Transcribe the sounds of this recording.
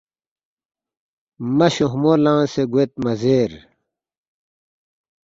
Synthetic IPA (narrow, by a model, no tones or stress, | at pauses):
mɐɕuɦmoːlãːseɡuet̪̚mɐzeːɾ